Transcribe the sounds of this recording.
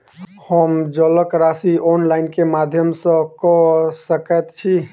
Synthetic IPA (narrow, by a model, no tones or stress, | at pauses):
həmd͡ʒələkɾasiʔɔnlaɪnkemad̪ʱjəmsə̃kɔsəkət̪t͡ʃʰi